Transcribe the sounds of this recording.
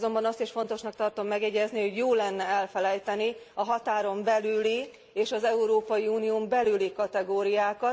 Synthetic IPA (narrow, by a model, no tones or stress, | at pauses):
zo̞mbɒnɒst̪iʃfo̞n̪t̪o̞ʃnɒk̚t̪ɒrt̪o̞mːɛɡjɛɟɛzniho̞ɟjoːlːɛnːɛɛlfɛlɛjt̪ɛniɒɦɒt̪aːɾo̞mbɛlyli | eːʃɒzɛuɾoːpɒjiuːnijombɛlylikɒt̪ɛɡoːɾijaːkɒ